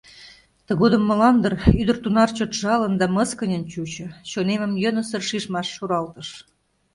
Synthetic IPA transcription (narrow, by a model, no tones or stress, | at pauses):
t̪əɣod̪əmːə̆lɑnd̪əryd̪ərt̪unɑrt͡ɕot̪ʒɑlə̆nd̪ɑməskənʲənt͡ɕut͡ɕɤ̆t͡ɕonemə̆mjənə̆sərʃiʒmɑʃːoɾɑlt̪ə̆ʃ